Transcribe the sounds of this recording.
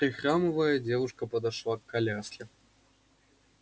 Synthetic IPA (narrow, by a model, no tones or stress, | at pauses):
pɾɨxɾamɨvɐjɐd͡zʲɛvuʂkɐpɐd̪aʂlˠakʰːalʲasʲlʲɛ